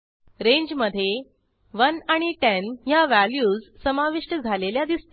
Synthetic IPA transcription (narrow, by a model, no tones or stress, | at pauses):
ɾeɲd͡ʑməd̪ʱːje | ʋənaɽ̃iʈenjaʋæljuːd͡zsəmaʋiʂʈəd͡zʱaleljad̪ist̪